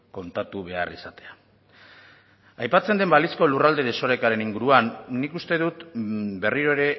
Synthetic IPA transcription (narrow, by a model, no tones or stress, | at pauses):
ko̞nt̪at̪uβ̞e̞a̰risat̪e̞a | ajpat͡send̪e̞mbalisko̞lurald̪e̞ð̞eso̞ɾe̞kaɾe̞niŋɡuɾuanːikust̪e̞ðut̪be̞riɾo̞eɾe̞